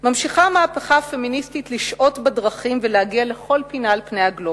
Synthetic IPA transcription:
mamʃiχamaːpeχafe̞ministitliʃʔo̞tbedʁaχimvelehaɡialeχo̞lpinaːlpnejaɡlo

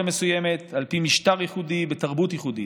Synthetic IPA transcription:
ame̞suje̞me̞t̪alpimiʃtaʁjiχudibetaʁbutjiχudi

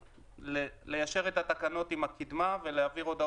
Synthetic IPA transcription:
lle̞jaʃe̞ʁet̪at̪akano̞t̪imhakʰid̪maveleaviʁo̞d̪a

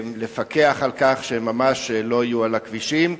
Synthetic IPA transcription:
mle̞fakeaχalkaχʃemːamaʃlo̞ajualakviʃim

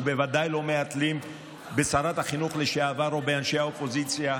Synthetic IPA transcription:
ube̞vad̪ajlo̞meatlim | besaɾat̪haχinuχleʃeavaɾobeanʃeaopo̞zit͡sja

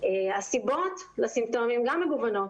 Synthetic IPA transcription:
easibotlasimto̞mimɡamːeɡuvano̞

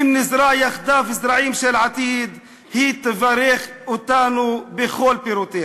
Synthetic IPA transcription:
ɪmnɪzɾaʕjaxd̪afɪzɾaʕiːmʃɛlʕat̪iːd̪ | hit̪vaɾixut̪aːnubexolpiɾut̪i

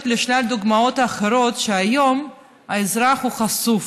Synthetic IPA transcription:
t̪leʃnald̪uɡmao̞t̪aχeɾo̞t̪ʃeajo̞m | aezʁaχhuχasuf

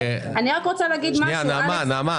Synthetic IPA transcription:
anikʁot͡selaɡid̪maanamanama

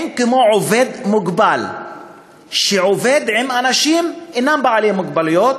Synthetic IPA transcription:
mkemoʕoved̪muɡbal | ʃeʕoved̪ʕimanaʃimʔinːambaʕalemuɡ̚balujot̪̚

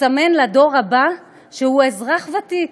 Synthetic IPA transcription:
ame̞nlad̪o̞ʁaba | ʃehuezʁaχvat̪ik

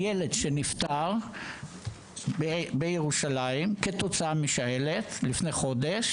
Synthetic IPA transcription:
jele̞dʃenift̪aʁ | bebejeʁuʃalaimketo̞t͡saamiʃae̞le̞tlifnejχo̞deʃ

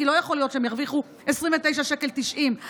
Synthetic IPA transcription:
ilo̞jaχo̞ljott͡ʃʃeemjaʁviχu | esʁimvet̪e̞jʃ̬aʃe̞kelt̪iʃʔim

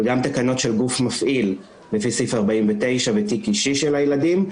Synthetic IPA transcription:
ɡamt̪akano̞t̪ʃe̞lɡufmafʔilː | efisifaʁbaimvet̪e̞jʃavet̪ikiʃiʃelajeladim

